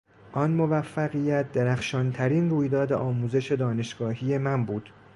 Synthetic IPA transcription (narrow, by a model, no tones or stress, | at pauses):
ʔɒnmo̞væfːæɣijæt̪̚d̪eɾæxʃɒːnt̪ʰæɾiːnruːjd̪ɒːd̪eʔɒːmuːze̞ʃe̞d̪ɒːne̞ʃɡ̥ɒːhije̞mænbuːd̪̥